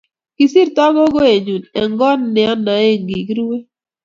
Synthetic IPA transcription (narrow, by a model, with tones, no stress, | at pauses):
ki˨si˦ɾtɔ˦ɡɔ˦ɡo˦e˨ɲu˨ne˨ŋɡɔ˦nːɪ˨ɔ˦na˨e˦˨ŋɡi˨ki˦ɾi˦we˦